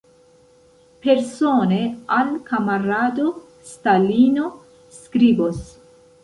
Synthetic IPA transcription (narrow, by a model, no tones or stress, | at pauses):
pe̞ɾsone̞alkamaɾado | stalino̞ | skɾibos